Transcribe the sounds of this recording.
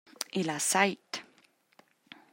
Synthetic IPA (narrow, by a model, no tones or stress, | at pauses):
ilasajt̪